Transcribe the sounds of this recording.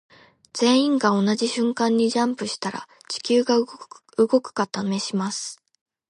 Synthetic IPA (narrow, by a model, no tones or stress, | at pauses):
d͡z̥ẽ̞ɰ̃ĩŋɡao̞naʑiɕɨ̃ŋkãɲ̟ːiʑãmpɯ̟ɕi̥t̪aɾa̰ | t͡ɕi̥kʲɨːɡa | ɯɡo̞kɯ̟̥kat̪ame̞ɕimasɨ̥